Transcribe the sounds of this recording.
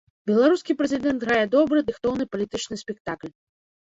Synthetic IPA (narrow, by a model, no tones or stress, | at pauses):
bʲɛlˠaɾuskʲipɾɛzʲid̪ɛnt̪ɣɾajɛd̪ɔbɾɨd̪ɨxt̪ɔwnɨpɐlʲit̪ɨt͡ʂnɨsʲpʲɛkt̪aklʲ